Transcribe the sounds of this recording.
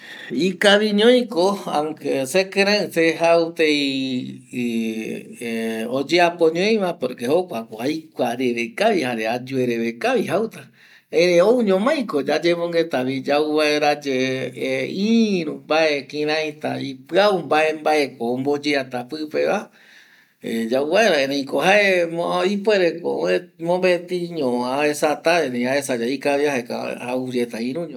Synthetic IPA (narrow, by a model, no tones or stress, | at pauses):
ikaβĩɲõj̃koaŋkesekɨ̃ɾ̃ãɨseɦaut̪ej | od͡ʒeapoɲõj̃ʋapoɾkeho̞kʷakoajkʷaɾeɾekaʋihaɾead͡ʒueɾeβekaʋiɦawt̪a | ẽɾẽouɲõmãj̃kod͡ʒad͡ʒemõŋɡet̪aβid͡ʒauβaeɾad͡ʒeeiɾũmbaekĩɾ̃ãj̃t̪aipɨaumbaembaʔe̞koombod͡ʒeat̪apɨpeβa | ḛd͡ʒauβaeɾaẽɾẽĩkoɦaeipweɾeko̰mõmbet̪iɲõãaesat̪aẽɾẽĩaesad͡ʒaikaβiahaeka̰aud͡ʒet̪aĩɾũɲõ